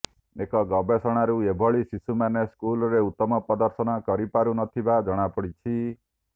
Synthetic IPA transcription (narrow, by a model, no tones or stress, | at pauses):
ekɔɡɔbesɔɽ̃aɾuebʱɔɭisisumaneskulɔɾeut̪ːɔmɔpɔd̪ɔɾsɔñɔkɔɾipaɾunɔt̪ʰibad͡ʒɔɽ̃apɔɽit͡ʃʰi